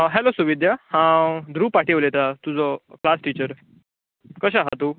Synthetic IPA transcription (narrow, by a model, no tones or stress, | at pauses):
ɦɛlosuʋid̪ʱjəhãd̪ʱɾuːpaʈʰiʋlet̪at̪ud͡zɔklasʈit͡ɕəɾ | kəɕaɦat̪u